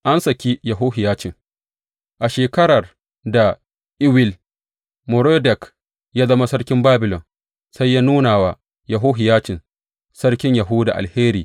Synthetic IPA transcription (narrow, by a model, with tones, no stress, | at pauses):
ʔa˦nsɐ˨kʲi˦jɐ˨ɦʊ˦ɦɪ˨jaː˦t͡ʃɪ˨ŋ | ʔa˨ʃeː˨kɐ˦ɾɐ˨r | da˨ | ʔɪ˦wɪ˦l | mʊ˨ɾoː˦dɛ˨k | jaː˦zɐ˦ma˦sɐ˦ɽkʲɪ˦mbaː˦bɪ˨lɔ˨n | sa˦jːaː˦nuː˦naː˨waː˨ | jɐ˨ɦuː˦ɦɪ˨jaː˦t͡ʃɪ˨n | sɐ˦ɽkʲɪ˦ɲjɐ˨ɦuː˦da̰˨ʔa̰˨lheː˦ɾiː˨